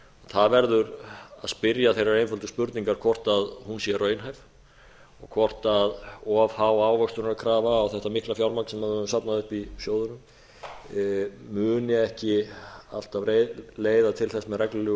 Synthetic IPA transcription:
aθaðvɛɾðʏɾaðspɪɾjaθejɾaɾejnfʏlt̪ʏspʏɾt̪niŋkaɾkʰvɔr̥t̪aðhunsjɛrœːɥjnɦajv | ɔɣkʰvɔr̥t̪aðɔv̥haːwaːwvœkst̪ʏɾnɾakʰɾaːvaːwθɛht̪amɪhklafjawlmaknsɛmhaðsapnaðʏhpisjoːwðʏnʏm | mʏːnjɪɛhcɪa̰l̥t̪avreleːjðat̪ʰɪlθɛsmɛrɛklʏlʏ

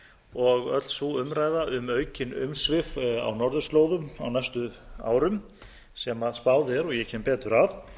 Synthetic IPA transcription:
ɔɣœ̰t̪l̥svuʏmɾaːjðaʔʏmœːɥcɪnʏ̰msvɪfa̰wnɔɾðʏsloːwðʏma̰wnajst̪ʏa̰ːwɾʏm | sɛmaðspaːwðɛɾɔɣjɛcʰɛːmpɛːt̪ʏɾaf

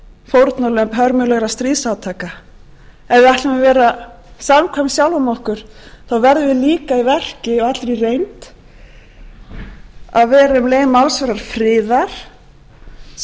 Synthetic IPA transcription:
fowɾt̪naɾlœmpɦœɾmʏlɛɣɾast̪ɾiːðsaːwt̪ʰaːka | ɛðaht̪vɛvɛːɾa | samkʰvamsjawlvʏmɔhkʏɾ̥ | θawvɛɾðɪvɪliːkaivɛr̥cɪɔɣat̪ɾirejnt̪ | aðvɛːɾʏmleːjmalsvɛɾaɾ̥fɾɪːðaɾ̥

